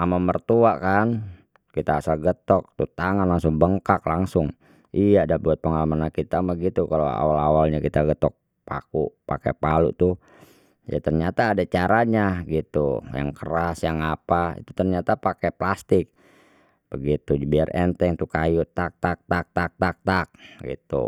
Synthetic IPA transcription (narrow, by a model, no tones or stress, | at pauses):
amamərt̪uaʔkan | kit̪aːsalɡət̪ɔk̚t̪ṵt̪aŋanlaŋsʊŋbəŋkaklaŋsʊŋ | ijadahbuat̪̚pəŋalamanankit̪amaɡit̪ukalo̰a̰walawalɲakit̪aɡət̪ɔk̚ | pa̰kuʔpakɛ̰palṵʔt̪uh | ja̰t̪ərɲat̪aːdat͡ʃaɾaɲaɡit̪ṵja̰ŋkəɾasjaŋapaḭt̪u̥t̪ərɲat̪apakɛplast̪ɪk̚ | b̥əɡit̪ud͡ʒbiarɛ̰nt̪ɛŋt̪ukajʊʔt̪ak̚t̪ak̚t̪ak̚t̪ak̚t̪ak̚t̪ak̚ɡḭt̪ṵ